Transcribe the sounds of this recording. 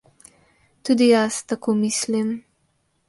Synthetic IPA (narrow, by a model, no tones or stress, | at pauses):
t̪ud̪ijast̪akʰoːmislim